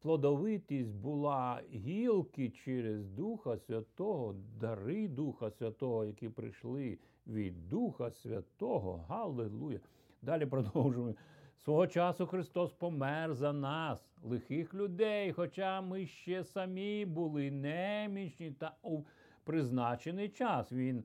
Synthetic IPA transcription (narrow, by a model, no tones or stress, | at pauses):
plˠɔd̪ɔʋɪt̪ʲisʲt̚ʲbʊlˠɑɦʲilˠkɪt͡ʃɛɾɪzd̪uxɐsʲʋʲɐt̪ɔɦɔd̪ɐɾɪd̪uxɐsʲʋʲɐt̪ɔɦɔjɐkʲipɾɪ̰ʃlˠɪ | ʋʲid̪ːuxɐsʲʋʲɐ̰t̪ɔɦɔ̰ɦɐlˠelˠujɐ | d̪ɑlʲipɾɔd̪ɔwʒʊmʊsʋɔɦɔt͡ʃɑsʊxɾɪst̪ɔspɔmɛrzɐnɑslˠɪxɪxlʲʊd̪ɛjxɔt͡ʃɑmɪʃt͡ʃɛsɐmʲibʊlˠɪnɛmʲit͡ʃʲnʲit̪ɐu | pɾɪznɑt͡ʃenɪjt͡ʃɑsʋʲin